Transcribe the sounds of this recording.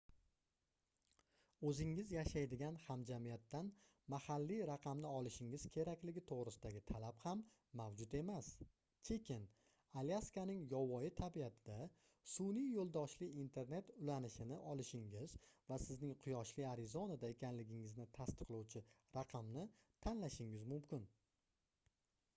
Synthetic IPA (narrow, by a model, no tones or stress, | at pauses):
ɵzɪŋɪzjaʃajd̪ɪɡʲanhamd͡ʒamijat̪ːan | mahalːiɾaqʰɑmnɪɒlˠɪʃɪŋɪz̥kʲʰe̞ɾakʲlɪɡʲɪt̪ʰoʁɾɪsɪd̪aɡʲɪt̪ʰalaphamː | awd͡ʒʊt̪e̞mas | kʲʰe̞kʲʰɪn | aliaskanɪŋjɒwɒjɪt̪ʰabiat̪ʰɪd̪a | sunijjolˠd̪ɒʃlɪːnt̪ʰe̞ɾne̞t̪ʊlanɪʃɪnɪʔɒlɪʃɪŋɪzvasɪznɪŋqʰʊjɒʃlɪaɾɪzonad̪ae̞kʲʰanlɪɡʲɪŋɪznɪt̪ʰast̪ɨ̥qlˠɒwt͡ʃʰɪ | ɾaqʰɑmnɪt̪ʰanlaʃɪŋɪzmʊmkʲɪn